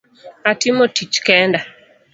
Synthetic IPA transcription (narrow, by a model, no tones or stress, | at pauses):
atɪmotit͡ʃkɛnda